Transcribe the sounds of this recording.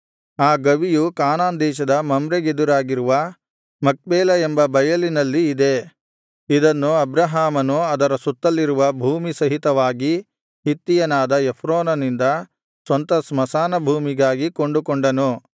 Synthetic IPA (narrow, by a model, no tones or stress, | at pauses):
aːɡɐʋijukaːnaːnd̪ɛːʃɐd̪ɐmɐmɾeɡed̪uɾaːɡiɾuʋɐ | mɐk̚beːlɐembɐbɐjɐlinɐlːiːd̪e̞ | id̪ɐnːuɐbɾɐɦaːmɐnuɐd̪ɐɾɐsut̪ːɐlːiɾuʋɐbʱuːmisɐɦit̪ɐʋaːɡi | ɦit̪ːijɐnaːd̪ɐepʰɾoːnɐnind̪ɐ | sʋɐnt̪ɐsmɐsaːnɐbʱuːmiɡaːɡikoɳɖukoɳɖɐnu